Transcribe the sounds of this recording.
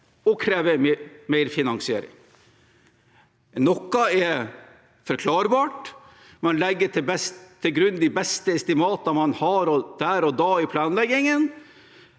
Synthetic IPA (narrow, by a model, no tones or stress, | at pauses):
ɔkʰɾeːʋəmmeɪɾfɪnɑŋsɪḛːɾɪ̰ŋ | nɔkːɑɛ | fɔɾkʰlɑːɾbɑːʈ | mɛnlɛɡːəʈʰɪbɛst̪ʰːɪlɡɾʉnd̪ɪbɛst̪əɛst̪ɪmɑːt̪ɑmɑnhɑːɾɔd̪̥æːɾɔd̪ɑːɪpʰlɑːnlɛɡːɪŋən